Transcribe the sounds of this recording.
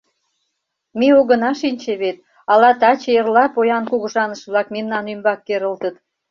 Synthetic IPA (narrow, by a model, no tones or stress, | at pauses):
meoɣə̆nɑʃinʲt͡ɕeβet̪̚ | ɑlɑt̪ɑt͡ɕeərlɑpojɑnkuɣə̆ʒɑnəʃβlɑkmemnɑnymbɑkːeɾə̆lt̪ət̪